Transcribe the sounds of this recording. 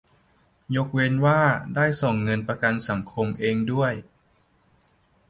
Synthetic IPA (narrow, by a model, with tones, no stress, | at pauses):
jo˦˥k̚we˧nwaː˥˩daː˥˩jso˨˩ŋːɤ˧npɾa˧ka˧nsa˩˦ŋkʰo˧mʔeː˧ŋdu˥˩əj